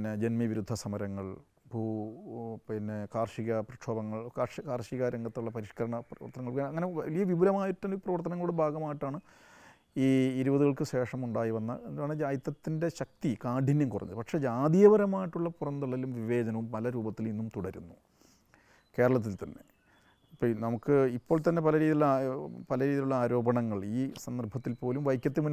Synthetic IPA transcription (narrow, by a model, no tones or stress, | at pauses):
nːed͡ʑenmiʋiɾud̪ʱːɐsɐmɐɾɐŋːɐɭ | bʱuː | pinːekaːrʂiɣɐprɐʈʂʰoːbɐŋːɐɭkaːʂkaːrʂiɣaɾɐŋɡɐt̪ːuɭːɐpɐɾiʂkɐɾɐɳɐprɐʋɐ̰rt̪ːɐnɐŋːɐɭkɐŋːɐneʋɐlijɐʋibulɐmaːjiʈːɐnːiprɐʋɐrt̪ɐnɐŋːɐuɽebʱaːɡɐmaːjiʈːaːɳɨ | iːiɾubɐðuɣɐɭkɨɕe̞ːʂɐmuɳɖaːjiʋɐnːɐ̰ḛnd̪aːɳɨd͡ʑaːjit̪ːɐt̪ːinde̞ɕɐk̚t̪ikaːɖʱinjɐmkurɐ̰n̰ːðɨ̰pɐkʂe̞ːd͡ʑaːd̪ijɐʋɐɾɐmaːjiʈːuɭːɐpurɐnd̪uɭːɐilumʋiʋe̞ːd͡ʑɐnɐʋumpɐlɐɾuːbɐt̪ːilinːumt̪uɽɐɾunːu | ke̞ːɾɐɭɐt̪̬ːilt̪ɐnːe̞̰ | pːonɐmukːɨipːo̞ːɭt̪ɐnːe̞pɐlɐɾiːðiuɭːɐpɐlɐɾiːðiluɭːɐaːɾo̞ːbɐɳɐŋːɐɭiːsɐnd̪ɐrbʱɐt̪ːilpo̞ːlumʋɐjkʲːɐt̪ːimunː